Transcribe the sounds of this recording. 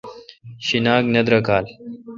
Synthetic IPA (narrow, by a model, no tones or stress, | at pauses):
ɕinaːɡnɐd̪ɾəkaːl